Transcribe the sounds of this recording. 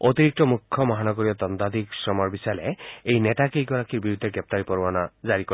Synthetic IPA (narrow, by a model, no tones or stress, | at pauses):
ot̪iɾik̚t̪ɔmukʰːjɔmɔɦanɔɡɔɾiɔt̪ɔnd̪ad̪iksɾɔmɔɾbisaleejnet̪akijɡɔɾakiɾbiɾud̪ʱːeɡɾep̚t̪aɾipɔɾbanad͡ʒaɾikɔ